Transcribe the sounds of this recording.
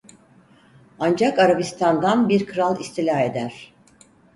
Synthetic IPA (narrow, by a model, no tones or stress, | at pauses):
and͡ʒakaɾabist̪ʰand̪anbiɾkʰɯɾalˠist̪ʰilʲahe̞d̪æɾ̝̥